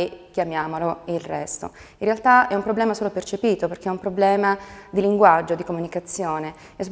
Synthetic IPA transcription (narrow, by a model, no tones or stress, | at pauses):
ekːjamjaːmoloilrɛst̪o̰ | inrealt̪aɛumpɾoblɛːmasoːlopert͡ʃepiːt̪operk̟eɛumpɾoblɛːmad̪iliŋɡwad͡ʒːod̪ikomunikat̪sːjoːne | ɛsːop